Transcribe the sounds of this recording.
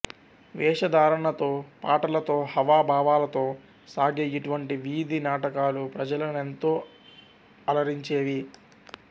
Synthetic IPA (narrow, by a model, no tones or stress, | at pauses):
ʋɛːʂɐd̪aːɾɐɳɐt̪o̞ːpaːʈɐlɐt̪o̞ːhɐʋaːbʱaːʋaːlɐt̪o̞ː | saːɡɐjɐʈuʋɐɳʈiʋiːd̪inaːʈɐkaːlupɾɐd͡ʒɐlɐnent̪o̞ː | ɐlɐɾiɲt͡ʃeːʋi